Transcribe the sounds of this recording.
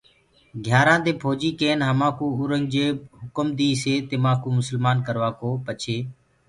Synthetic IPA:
ɡʱjaːɾãːd̪eːpʰoːd͡ʒiːkeːnɦəmãːkũːʊɾəŋɡd͡ʒeːɦʊkəmd̪iːseːt̪emãːkuːmʊsəlmaːnkəɾʋaːkoːpət͡ʃʰeː

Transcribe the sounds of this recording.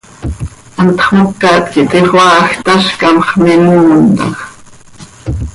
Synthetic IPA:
ɑnt̪χmokːɑt̪kit̪iχwɑːxt̪aʃkɑmχmimuːnt̪ɑ̰x

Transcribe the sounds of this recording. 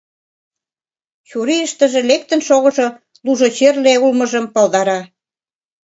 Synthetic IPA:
t͡ɕuɾiəʃt̪ə̆ʒĕlek̚t̪ə̆nʃoɣɤ̆ʒo | luʒot͡ɕerleulmɤ̆ʒə̆mpɑld̪ɑɾɑ

